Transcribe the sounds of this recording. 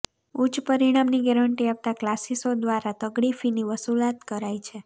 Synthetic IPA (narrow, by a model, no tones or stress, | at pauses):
ut͡ʃpəɾiɽ̃amniɡɛɾəɳʈiapt̪aklasisod̪ʋaɾat̪əɡɽifiniʋəsulat̪kəɾajt͡ʃʰe